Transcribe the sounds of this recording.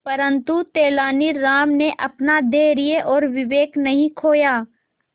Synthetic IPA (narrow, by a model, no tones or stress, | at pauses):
pɐɾə̃nt̪ut̪eːlaːniɾaːmneʔɐpnad̪eːɾijeʔɔːɾʋɪʋeːknɐɦĩkʰoːjaː